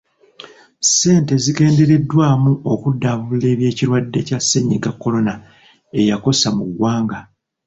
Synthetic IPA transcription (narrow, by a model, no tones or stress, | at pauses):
se̞ːnte̞zike̞ːnde̞ɾe̞dːwaːmuokudːaβule̞ːβje̞ːciɾwadːe̞casːeɲːiɡakːo̞lo̞na | e̞jako̞samuɡwaːŋɡa